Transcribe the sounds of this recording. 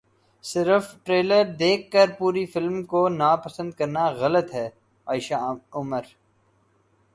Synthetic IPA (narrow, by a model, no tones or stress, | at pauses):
sɪɾəfʈɾeːləɾd̪eːkːəɾpuːɾifɪlmkonaːpəsə̃nd̪̚kɐɾnaɣɐlət̪ɦɛː | aːɪʃaʊməɾ